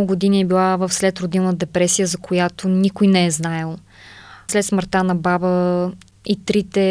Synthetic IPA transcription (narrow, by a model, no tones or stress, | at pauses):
ɡʊɡod̪iniɛbilˠavəfslɛt̪ɾod̪innət̪d̪ɛpɾɛsijəzɐkʰojat̪onikʊjnɛɛznajəlˠ | slɛt̪sməɾt̪anɐbabə | it̪ɾit̪ɛ